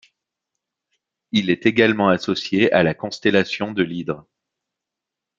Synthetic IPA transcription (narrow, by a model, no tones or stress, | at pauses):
ilɛt̪eɡalmɑ̃asɔsjealakɔ̃st̪ɛlasjɔ̃d̪əlid̪ʁ